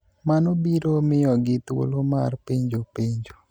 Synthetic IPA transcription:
manobiɾomɪɔɡɪt̪wo̰lomarpeɲd͡ʒopeɲd͡ʒo

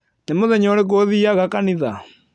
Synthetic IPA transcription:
nemoðɛɲɔɾeɣoðiaɣakaniða

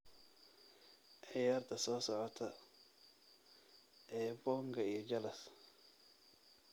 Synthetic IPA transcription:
ʕɪjaːrt̪ʰɐsɔːsɔʕɔt̪ʰɐ | ʔɛːbɔːŋɡʰɐijɞd͡ʒɐlɐs

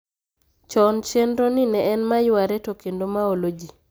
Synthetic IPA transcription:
t͡ʃɔnt͡ʃendɾoninɛɛnmajʊwaɾɛtokendomaolod͡ʒi

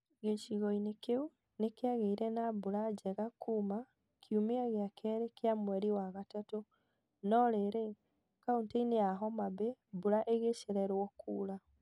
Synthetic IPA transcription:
ɣeʃiɣɔinekeu | nekeaɣeiɾɛnabuɾad͡ʒɛɣakʰuːma | kʰjumeaɣeakʰɛɾekeamwɛɾiwaɣatato | nɔɾeɾe | kauntaineaɦɔmabebuɾaʔeɣeʃeɾɛɾwɔkuːɾa

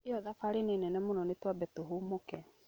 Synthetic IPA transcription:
eɔðafaɾenenɛnɛmonɔnetwabɛtoɦumokɛ

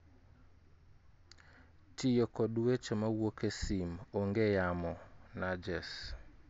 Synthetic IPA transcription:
tijokɔdwet͡ʃomawokesimoŋɡejamɔnad͡ʒɛs

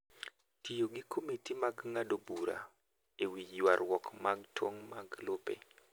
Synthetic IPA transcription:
tijoɡɪkʰomitimaɡŋadobuɾa̰ | ewiwaɾwɔkmaɡtwoŋmaɡlopḛ

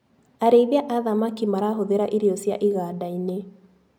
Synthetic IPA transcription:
aɾeiðeaʔaðamakimaɾaɦoðeɾaʔiɾiɔsja̰ʔiɣaːdaine

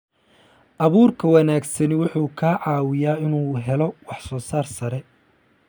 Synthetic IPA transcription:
ʔɐβuːrkʰɐwɑnaːɡsɐnwʊħuːkʰaːʕɑːwɪjaːɪnuːɦɛlɔwɑħsɔːsaːrsɐɾɛ

